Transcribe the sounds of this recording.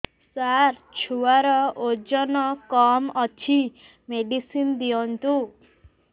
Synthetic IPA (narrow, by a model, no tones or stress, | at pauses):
saɾt͡ʃʰuwaɾɔod͡ʒɔnɔkɔmɔt͡ʃʰi | meɖisind̪iɔnt̪u